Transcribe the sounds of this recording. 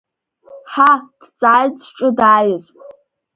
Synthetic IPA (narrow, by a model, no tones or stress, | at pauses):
ħad̥t͡sʼaːjt͡sʼʈ͡ʂʼɨdaːjɪzʼ